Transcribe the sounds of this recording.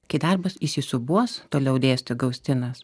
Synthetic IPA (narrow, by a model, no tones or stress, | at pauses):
kɐɪd̪ɐɾbɐsɪsʲɪsʊbuɔst̪oːlʲɛʊd̪ʲeːsʲt̪ʲʊɡɐʊsʲt̪ʲɪnɐs